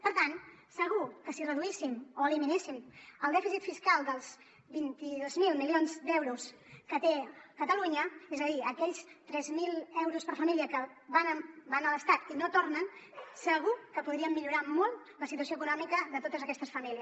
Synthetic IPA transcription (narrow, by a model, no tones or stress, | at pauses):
pəɾt̪ansəɣ̞ukəsirəðuisimoəliminesiməlˠd̪ɛfisit̪fiskalˠd̪əlˠz | bint̪iðozmilˠmilionzd̪ɛwɾuskət̪ekət̪əluɲəezəðiəkɛʎst̪ɾɛzmilɛwɾuspəɾfəmiliəkə | βanəbanələst̪at̪inot̪ornənsəɣ̞ukəpuðɾiəmːiʎuɾamolˠt̪ | ləsit̪uəsioəkunɔmikəðət̪ot̪əzəkɛst̪əsfəmiliəs